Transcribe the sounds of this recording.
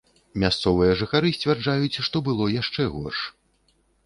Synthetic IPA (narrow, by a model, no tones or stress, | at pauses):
mʲast̪sɔvɨjɐʐɨxaɾɨsʲt͡sʲvʲard͡ʐajut͡sʲʂt̪ɔbɨlˠɔjaʂt͡ʂɛɣɔ̰rʂ